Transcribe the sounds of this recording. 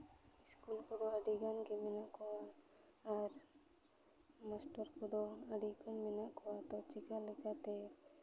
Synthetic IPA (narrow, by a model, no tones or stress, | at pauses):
iskulkud̪oaɖiɡankeminakɔwaː | ɾ | masʈɔɾkʰud̪oaɖikʰɔnminaʔkɔwat̪ɔt͡ʃikalikat̪e